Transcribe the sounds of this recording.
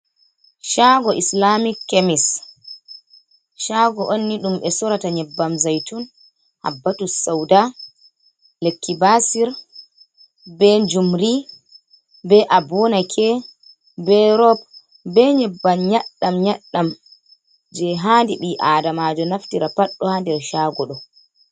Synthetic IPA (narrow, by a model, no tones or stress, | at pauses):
ʃaːɡɔʔislamikːemis | ʃaɡɔʔonːiɗumɓɛsɔɾataɲɛbːamzajtun | ha̰bːatusawda | lekːibasiɾ | bɛd͡ʒumɾi | bɛʔabɔnakʰɛ | bɛɾɔp̚ | bɛɲɛbːamɲaɗːamɲaɗːam | d͡ʒɛɦandiɓiʔadamad͡ʒɔnaftiɾapaɗːɔhandɛɾʃaːɡɔɗɔ